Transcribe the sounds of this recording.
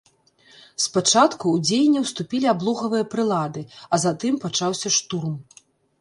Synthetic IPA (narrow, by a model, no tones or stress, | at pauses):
spat͡ʂat̪kuːd͡zʲejnʲːɛwst̪upʲilʲiablˠɔɣɐvɨjɐpɾɨlˠad̪ɨɐzat̪ɨmpat͡ʂawsʲɐʂt̪urm